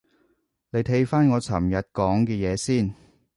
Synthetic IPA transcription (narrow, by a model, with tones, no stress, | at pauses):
le˨˧jt̪ʰe˧˥jfaː˥nŋɔː˨˧t͡sʰɐ̰˨˩mjɐ˨t̚kɔː˨˥ŋkɛː˧jɛː˨˧siː˥˩n